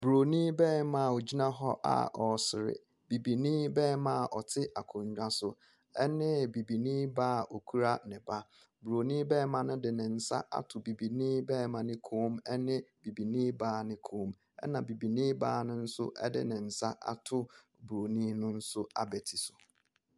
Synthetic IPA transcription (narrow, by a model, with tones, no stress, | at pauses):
bɾo˨nĩː˦bɛː˦mã˨o˨d͡ʑi˦nã˦ɦɔ˦ʔa̰˨ʔɔ˨sɪ˨ɾɪ̰˨ | b̥i˨bi˨nĩ˦bɛː˦mã˨ɔ˨tʰɪ˦ʔa˨kʰʊ̃˨ɲᶣ˨a˦sʊ˨ | ɛ˦nɪ̃˦bi˨bi˨nĩː˦baː˦˨ɔ˨kʰu˦ɾa˦nɪ̃˨ba˦ | bu˨ɾo˨nĩː˦bɛː˦mã˨nʊ̃˦dɪ˨nɪ̃˨n̩˨sa̰˦ʔa̰˨tʰʊ˨bi˨bi˨nĩː˦bɛː˦mã˨nɪ̃˦kʰũː˦mɛ˦nɪ̃˦b̥i˨bi˨nĩː˦baː˦nɪ̃˦kʰũː˨˦m | ɛ̰˦nã˨bi˨bi˨nĩː˦ba̰ː˦˨nʊ̃˦n̩˦sʊ̰˦ʔɛ̰˦dɪ̰˦nɪ̃˨n̩˨sa˦ʔa̰˨tʰʊ˦ | bu˨ɾo˨nĩ˦nʊ̃˦n̩˦sʊ˦a̰˨bɛ˨tʰi˨sʊ˨